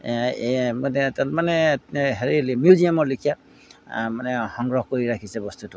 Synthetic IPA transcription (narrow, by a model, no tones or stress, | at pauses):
mnɛtatmanɛɦeɹilmjuzijamɔɹlikʰija | manɛhɔŋɡɹɔhkoɹiɹakʰisɛbɔstutʊ